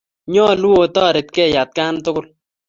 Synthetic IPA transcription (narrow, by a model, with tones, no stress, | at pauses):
ɲɔ˦˨lu˦o˨tɔː˦˨ɾe˨t̚kɛ˦˨ja˨t̚ka˦ntʊ˦kʊ˦l